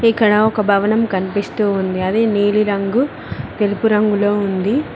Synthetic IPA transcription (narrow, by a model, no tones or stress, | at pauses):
ikːɐɽɐɔkɐbʱɐʋɐnɐmkɐnipist̪uːnd̪iɐd̪eːniːliɾɐŋɡu | t̪elupuɾɐŋɡulo̞ːund̪i